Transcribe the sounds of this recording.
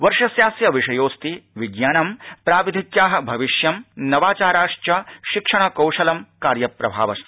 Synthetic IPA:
ʋɐɾʂɐsjaːsjɐʋiʂɐjoːst̪iʋiɡjaːnɐmpɾaːʋid̪ʱit̪jaːɦɐ̆bʱɐʋiʃjɐmnɐʋaːt͡ʃaːɾaːʂt͡ʃɐʃikʂɐɳ̃ɐkɐwʂɐlɐmkaːɾjɐpɾɐbʱa̰ːʋɐst̪ʰi̥

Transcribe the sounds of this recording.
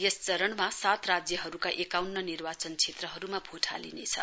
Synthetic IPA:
jest͡sʌɾʌnmasat̪rad͡zjʌɦʌɾukaʔekawnːʌnirbat͡sʌnt͡sʰet̪rʌɦʌɾumabʱoʈʰa̰lḭnet͡sʰʌ̰

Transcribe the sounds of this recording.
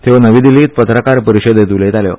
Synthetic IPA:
t̪ʰeʋnəʋiːd̪iliːt̪̚pət̪ɾəkaɾpəɾiɕəd̪jet̪ulet̪aljo̰

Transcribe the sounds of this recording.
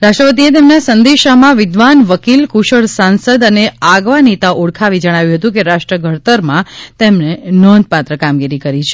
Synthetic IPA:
ɾaʃʈɾəpət̪̬iet̪emnasənd̪eʃamãʋɪd̪ʋanʋəkilkuʃəɭsansəd̪əneaɡʋanit̪auɽkʰaʋid͡ʒəɽ̃aʋjũɦət̪ũk̬eɾaʃʈɾəɡʱəɽt̪əɾmãt̪emnenɔ̃nd̪̚ʱpat̪ɾəkamɡiɾikəɾit͡ʃʰe

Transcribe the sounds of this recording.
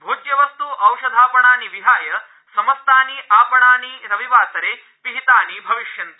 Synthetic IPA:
bʱuːd͡ʒjɐʋɐst̪uʔɐwʂɐd̪ʱaːpɐɳaːniʋiɦaːjɐ | sɐmɐst̪aːniʔaːpɐɳaːniɾɐʋiʋaːsɐɾeː | piɦit̪aːnibʱɐʋiʃjɐnt̪i

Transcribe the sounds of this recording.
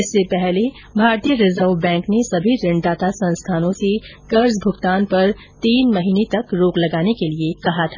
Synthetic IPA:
ɪsːepɛɦle | bʱaːɾt̪ijəɾɪzəɾʋbɛ̃ːŋknesɐbʱiɾɪ̃ɳɖaːt̪asɐ̃nst̪ʰaːnõsekɐɾzbʱʊɡt̪aːnpɐɾ | t̪iːnmɐɦiːnet̪ɐkɾoːklɐɡaːnekeliekɐɦat̪ʰaː

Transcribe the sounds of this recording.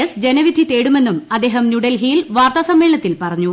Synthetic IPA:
ɐsd͡ʑenɐʋid̪ʱːit̪e̞ːɽume̞nːumɐd̪ːeːɦɐmnuɽelɦijilʋaːrt̪aːsɐmːe̞ːɭɳɐt̪ːilpɐrɐɲːu

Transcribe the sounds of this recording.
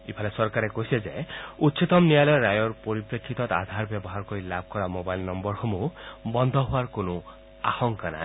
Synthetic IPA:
ipʰalesɔɾkaɾekoɦised͡ʒeut̪ːʃʰit̪ɔmnijalɔjɔɾajɔɾpɔɾipɾekʰːit̪ɔt̪a̰d̪ʱaɾbjɔbɔɦaɾɔkɔilab̚ʱkɔɾamobajlnɔmbɔɾhɔmubɔnd̪ʱɔɦuaɾkonu | a̰hɔŋkana̰ɦĩ

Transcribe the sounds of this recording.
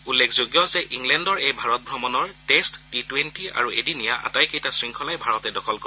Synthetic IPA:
ulːekʰzoɡjɔzɛʔiŋlɛndɔɹejbʱaɹɔt̚bʱɹɔmɔnɔɹtestːitwentia̰ɹuedinijaʔa̰tajkejtasɹiŋkʰɔlajbʱaɹɔtɛdɔkʰɔlkɔ

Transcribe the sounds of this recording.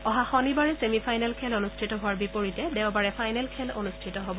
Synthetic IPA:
ɔɦaxɔnibaɹɛsemipʰajnɛlkʰɛlonustʰitɔɦʊwaɹbipoɹitɛdɛʊ̃baɹɛpʰajnɛlkʰɛlonustʰitɔɦobɔ

